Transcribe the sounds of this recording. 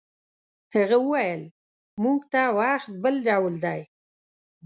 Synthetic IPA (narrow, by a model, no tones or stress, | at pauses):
haɣəwəwajəl | muɡt̪awɑxt̪̚bəlɖawld̪aj